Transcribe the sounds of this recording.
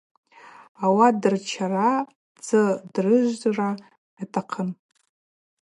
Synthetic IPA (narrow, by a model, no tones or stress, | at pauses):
awadɨrt͡ʃʰara | d͡zɨdrɨʒʷra | atʰaqʰən